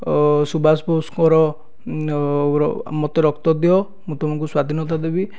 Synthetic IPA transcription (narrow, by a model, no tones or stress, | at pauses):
subʱasposkɔɾɔ | mɔt̪eɾɔkt̪ɔd̪iɔ | mũt̪ɔmɔŋkuswad̪ʱinɔt̪ad̪ebi